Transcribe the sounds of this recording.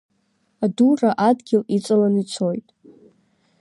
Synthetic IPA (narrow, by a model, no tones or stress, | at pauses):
aduraʔadɡʲɪlit͡sʼalanit͡sʰo̞jtʼ